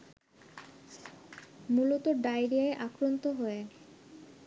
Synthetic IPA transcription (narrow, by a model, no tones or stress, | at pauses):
mulot̪oɖajɾiaeʔakɾont̪oɦoe